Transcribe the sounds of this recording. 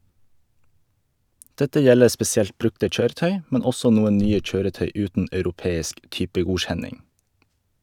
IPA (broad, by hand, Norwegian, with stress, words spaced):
ˈdɛtə ˈjɛləɾ spɛsɪˈɛlt ˈbɾʉktə ˈc͡çøːɾəˌtœʏ ˈmɛn ˈɔsɔ ˈnuːən ˈnyːə ˈc͡çøːɾəˌtœʏ ˈʉːtən ʔɑʉɾʊˈpeːɪsk ˈtʏpəˌɡuːc͡çɛnɪŋ